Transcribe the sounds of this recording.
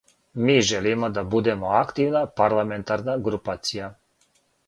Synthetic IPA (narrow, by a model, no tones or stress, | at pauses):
miʒɛlimɔd̪abud̪ɛmɔakt̪iwnapaɾlamɛnt̪aɾnaɡɾupaːt̪sija